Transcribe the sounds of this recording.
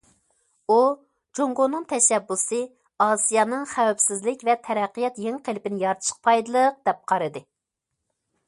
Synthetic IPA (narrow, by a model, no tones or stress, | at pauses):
u | d͡ʒoŋɡonɨŋt̪ʰɛʃɛbːusɨ | ɑːsijɑːnɨŋχæwɛpsɪzlɪkʲvɛt̪ʰɛɾɛqːɨjɛt̪jeŋqʰelɪpɪnɪjɑɾt̪ʰʃə̥q̚pʰɑjd̪ɨlˠəq̚d̪ɛp̚qʰɑɾɨd̪ɨ